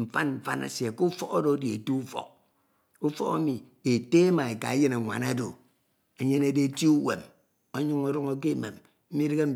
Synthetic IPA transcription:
m̩˨fa˦nm̩˨fa̰˦na̰˨se˨ku˦fɔ˦ko˦do˨˦di˨e˨tu˦u˦fɔ̰˨k̚ | u˦fɔ̰˦ka˦mi˨e˨te˦e˦ma˨e˨ka̰˨e˦je˦na˨ŋʷa̰˨na˦do̰˨ | e˨ɲe˦ne˦˨de˦ti˦u˦wḛ˨m | o˦ɲu˦ŋo˦ɾɔ˦ŋo˦k̬e˦˨me˨m | m̩˦mi˦ɾɨ˦ɡe˦m̩˦

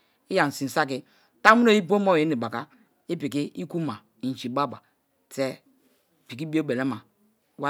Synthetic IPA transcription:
i˦ja˨n̩˨si˨n̩˨sa˦k̬i˦ | ta˦mu˦no˦ji˦p̬o˦mo˦˨e˨˦ni˨ba˨ka˦ | i˦pi˨ki˦i˦ku˦ma˨ | i˨n˨t͡ʃi˨ba˦ba˨ | tɛ˦˨ | pi˨ki˦bi˦o˦be˨lɛ˦ma˨˦ | wa˦

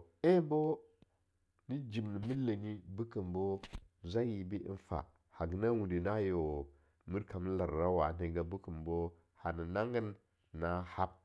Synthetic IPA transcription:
e˦bo˦ | ni˦d͡ʒi˨m˨ni˨mi˦lːa˨ɲi˦bu˦kə˨mbo˦za˦ji˨bi˦ʔḭ˦nfa̰˨ | ha˨ɡna˦wu˨ndi˨na˦jo˨ | mi˦ɾka˨m˦la˨ɾɾa˦wa˨ne˨ɡa˨bu˦kə˨mbo˦ | ha˨ni˨na˦ŋɡə˦nː | a˦ha˦p̚

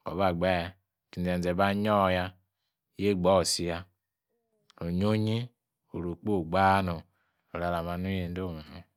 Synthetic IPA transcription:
ko̰˨βa˨ɡ͡ba˦˨ | ti˨e˨n˨e˨ba˦ɲɔ˦˨ja˦˨ | je˦˨ɡ͡bɔ˦˨si˨ja˦ | ɾo˨ɲo˦ɲi˦ | o˨ɾo˨k͡po˦˨ɡ͡ba˦no˨ | o˨ɾa˨la˨ma˨˦nu˦e˨n˦do˦˨ma˨nu˨

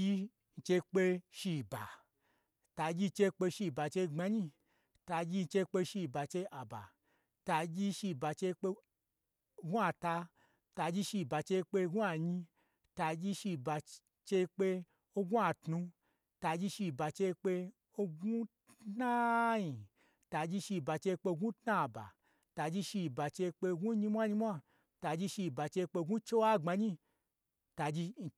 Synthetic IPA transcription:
i˧ | n̩˧t͡ʃe˧k͡pe˧ʃi˧˨ba̰˨ | ta˧d͡ʒi˧t͡ʃe˧k͡pe˧ʃi˧˨ba˨t͡ʃe˧ŋ͡ma˧ɲi˧ | ta˧d͡ʒi˧n̩˧t͡ʃe˧k͡pe˧ʃi˧˨ba˨t͡ʃe˧ʔa˨ba̰˨ | ta˧d͡ʒi˦ʃi˧ba˨t͡ʃe˧k͡pe˧ | ɡũ˦a˧ta˧ | ta˧d͡ʒi˦ʃi˧˨ba˨t͡ʃe˧k͡pe˧ɡu˦a˧˨ɲi˧ | ta˧d͡ʒi˧ʃi˧ba˧ | t͡ʃe˧k͡pe˧ | o˧ɡũ˦a˨tnũ˧ | ta˧d͡ʒi˧ʃi˧ba˨t͡ʃe˧k͡pe˧ | o˧ɡu˦ttna˦ɲi˨ | ta˧d͡ʒi˧ʃi˧ba˨t͡ʃe˧k͡pe˧ɡũ˦tna˦˨ba̰˨ | ta˧d͡ʒi˧ʃi˧˨ba˨t͡ʃe˧k͡pe˧ɡu˦ɲi˧mʷ˦a˦ɲi˧mʷ˦a˦ | ta˧d͡ʒi˧ʃi˧˨ba˨t͡ʃe˧k͡pe˧ɡu˦t͡ʃe˦wa˦˨ŋ͡ma˧ɲi˧˦ | ta˧d͡ʒi˧

